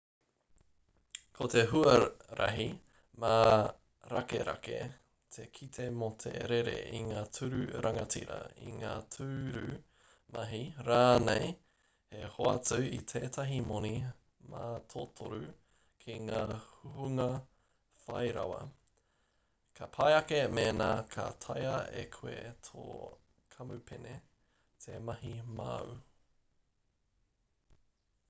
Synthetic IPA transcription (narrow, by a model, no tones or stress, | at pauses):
kʰot̪ʰeɦuɐɾʔɐ̰ɦi | ma | ɾakḛɾa̰kḛ | t̪ʰekʰit̪ʰe̞mot̪ʰḛɾeɾḛʔiŋaːtʰʉɾʉɾʔaŋɐt͡sḭɾɐ̰ḭŋaːtʰʉːɾʉ | mɐɦiɾaːnej | hehoɐ̰t͡sʉit̪ʰeːtʰɐɦimoni | maːtʰotʰoɾʉ | kʰiŋaːhuhuŋɐ | fɐjɾɐ̰wɐ | kʰɐpʰɐjɐkemeːnaːkʰɐ̰tʰɐjɐekʰuetʰo̰ | kʰɐmʉpʰene | tʰemɐɦimɐʉ